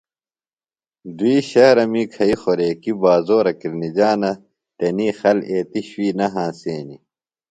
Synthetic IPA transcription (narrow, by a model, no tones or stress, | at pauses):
d̪uiːɕɐɾɐmiːkʰɐixoɾeːkibaːzoːɾɐkiɾnid͡ʑaːnɐ | t̪enixɐleːt̪iɕwiːnɐɦãːseːni